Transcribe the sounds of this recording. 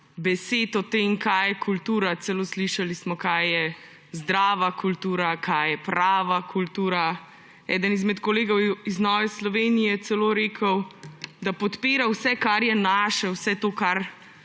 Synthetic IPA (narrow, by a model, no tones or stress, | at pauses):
bɛseːt̪ɔt̪emkajjɛkʰult̪uːɾasɛloːsliʃalismɔkajːɛ | zd̪ɾaːʋakʰult̪uːɾakʰajjɛpɾaːʋakʰult̪uːɾa | ɛ̰ːd̪ənizmɛt̪koleːɡɔwiznɔːʋɛslɔʋeːnijɛt̪sɛloːɾeːkʰəwd̪apɔt̪peːɾawsɛkaɾjɛnaːʃɛwsɛt̪oːkaɾ